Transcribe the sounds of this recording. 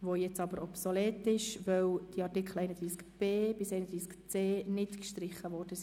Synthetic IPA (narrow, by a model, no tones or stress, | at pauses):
ʋojɛt͡sɑbəɾɔpsolɛːtːɪʃʋœwd̥iɑrtɪkχl̩ɛɪnəd̪ɾiːskb̥eːb̥ɪsɛɪnəd̪ɾiːskt͡seːnɪtkʃtɾɪχːəʋɔːrd̥əsi